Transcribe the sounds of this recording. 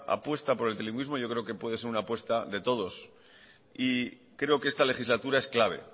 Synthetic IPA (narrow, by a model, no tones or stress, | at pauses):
a̰pwe̞st̪apo̞ɾe̞lt̪eliŋɡwizmo̞ʝo̞kɾe̞o̞ke̞pwe̞ðese̞ɾunaːpwe̞st̪aðe̞t̪o̞ð̞o̞s | i | kɾe̞o̞ke̞est̪ale̞xizlat̪uɾae̞sklaβ̞e̞̰